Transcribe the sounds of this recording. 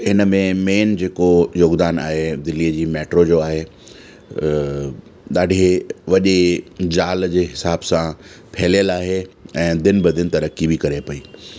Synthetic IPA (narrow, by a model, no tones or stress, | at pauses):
ɦɪnəmẽmeːnd͡ʑeːkojoːɡd̪aːna̰ːɦed̪ɪliːəd͡ʑiːmeːʈɾod͡ʑoaːɦe | ɗ̪aːɖʱeʋɐʄed͡ʑaːld͡ʑeːɦɪsaːbsã | pʰɛɦlijəlaːɦeɛ̃ːd̪ɪnbɐd̪ʱɪnɪ̆t̪ɐɾəkibikɐɾepɐiː